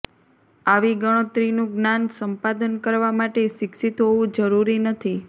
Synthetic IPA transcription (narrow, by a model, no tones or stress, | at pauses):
aʋiɡəɽ̃ot̪ɾinũɡnansəmpad̪ənkəɾʋamaʈeʃɪkʃit̪ɦoʋũd͡ʒəɾuɾinət̪ʰi